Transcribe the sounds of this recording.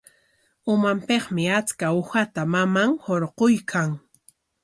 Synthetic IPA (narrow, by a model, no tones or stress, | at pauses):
ʊmampeχmɪat͡skaʊxat̪amamaŋhoɾqojkʰaŋ